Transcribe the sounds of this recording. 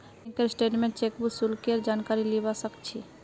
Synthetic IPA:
ŋkeɾsʈeʈmẽɳʈt͡ʃekbusulkeɾd͡ʒankaɾilibasəkt͡ɕʰi

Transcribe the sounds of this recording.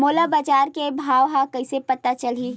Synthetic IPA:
moːlabaːd͡ʒaːɾkebʱaːʋɦakɐɪsepɐt̪at͡ʃɐli

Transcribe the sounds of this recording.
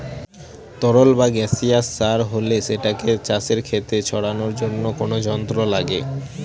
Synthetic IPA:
t̪ɔɾolbaɡɛsiasːaɾɦoleʃeʈaket͡ɕaseɾkʰet̪et͡ɕʰɔɽanoɾd͡ʑonːokonod͡ʑɔnt̪ɾolaɡḛ

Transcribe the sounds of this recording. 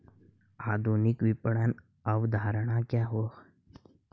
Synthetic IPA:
ad̪ʱunikʋipɽan | əʋd̪ʱaɾɳ̃akjaɦo

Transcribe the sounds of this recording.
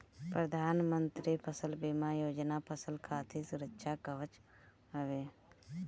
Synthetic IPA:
pɾəd̪ʱaːnmənt̪ɾipʰəsəlbimajoːd͡ʒnapʰəsəlkʰaːt̪ʰisʊɾəkːʃakəʋət͡ʃ | ɦəʋeː

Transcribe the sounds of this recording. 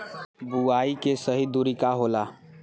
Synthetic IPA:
buaikesəɦid̪uɾikaɦola

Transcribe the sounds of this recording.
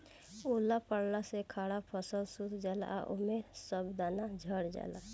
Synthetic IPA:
ulapəɽnasekʰaːɽapʰəsəlsut̪d͡ʒala̰ʔo̰mesəbd̪anad͡ʒʱəɽd͡ʒa̰la

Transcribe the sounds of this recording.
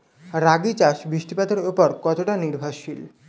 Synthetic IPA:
ɾaɡit͡ɕaʃbɾiʃʈipad̪oɾupɔɾkɔt̪oʈaniɾbʱaʃil

